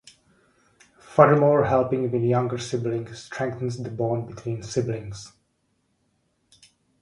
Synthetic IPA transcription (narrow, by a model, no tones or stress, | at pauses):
fədəmɔːɹɦɛlˠpɪ̃ŋwɪ̃njʌ̃ŋɡəɹsɪblɪ̃ŋstʰɹɛ̃ŋk̚θə̃n̩zd̪əbɔ̃ːmbɪtʰwĩnsɪblɪ̃ŋz̥